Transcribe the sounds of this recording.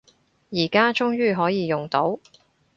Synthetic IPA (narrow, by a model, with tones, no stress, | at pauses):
jiː˨˩kaː˥t͡ʃʊ˥ŋjyː˥˩ɦɔː˨˥jiː˨˧jʊ˨ŋt̪o˨˥w